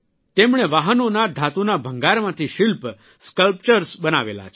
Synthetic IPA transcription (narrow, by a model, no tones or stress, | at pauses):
t̪emɳ̃eʋaɦənonad̪ʱat̪unabʱə̃ŋɡaɾmãt̪ʰiʃɪlp | skəlpt͡ʃəɾsbənaʋḛla̰t͡ʃʰ